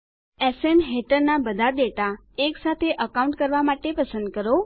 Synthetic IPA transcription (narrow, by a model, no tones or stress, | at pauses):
ɛsenɦeʈəɾnabəd̪ʱad̪eʈa | eksat̪ʰeʔəkaũɳʈkəɾʋamaʈepəsənd̪̚kəɾo